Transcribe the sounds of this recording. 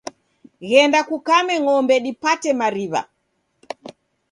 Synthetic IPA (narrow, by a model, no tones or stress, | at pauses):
ɣɛndakukamɛŋɔmbɛɗipatɛmaɾiβa̰